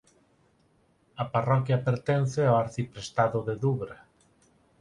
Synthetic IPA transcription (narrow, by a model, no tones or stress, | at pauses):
ɐparɔkjɐpeɾt̪ɛnθɪawaɾθipɾest̪aðʊðeðuβɾa